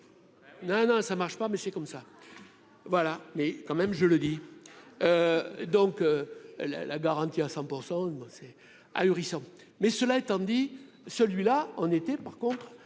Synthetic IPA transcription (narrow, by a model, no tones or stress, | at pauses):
nɔ̃nɔ̃samaʁʃə̥pamɛsɛkɔmsa | vwalamɛkɑ̃mɛmʒələd̪i | ød̪ɔ̃køla̰la̰ɡaʁɑ̃t̪iasɑ̃puʁsɑ̃bɔ̃sɛ | a̰yʁisɑ̃ | mɛsəlaet̪ɑ̃d̪i | səlɥilaɔ̃net̪ɛpaʁkɔ̃t̪χ